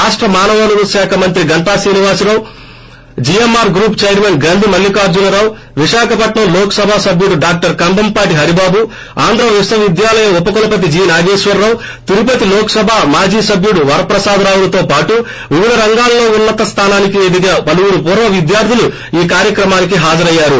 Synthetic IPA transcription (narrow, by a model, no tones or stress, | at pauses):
aːʂʈɾɐmaːnɐʋɐnuɾuʃaːkʰɐmɐnt̪ɾiɡɐɳʈaːsiːniʋaːsuɾɐw | d͡ʒijemaːɾɡɾuːpt͡ʃeːjɾmenɡɐnd̪ʱimɐlːikaːɾd͡ʒunɐɾaːw | ʋiʃaːkɐpɐʈɳɐmlɔːkɐ̥sɐbʱaːsɐbjuɽuɖaːk̚ʈɐɾkɐnd̪ɐmpaːʈiɦɐɾibaːbu | aːnd̪ɾɐʋisɐʋid̪jaːlɐjɐmupːɐkulɐpɐt̪̬id͡ʒiːnaːɡeːʂʋɐɾːɐw | t̪iɾupɐt̪ilɔːkɐ̥sɐbʱaːmaːd͡ʒiːsɐbjuɽuʋɐɾɐpɾɐsaːd̪ɐɾaːwulɐt̪o̞ːpaːʈu | ʋiʋid̪ʱɐɾɐŋɡaːlːo̞ːunːɐt̪ɐst̪ʰaːnaːnikiʋe̞ːd̪iɡaːpɐluwuɾupuːɾʋɐʋid̪jaːɾt̪ʰilu | iːkaːɾjɐkɾɐmaːnik̬iɦaːd͡ʒɐɾɐjːaːɾu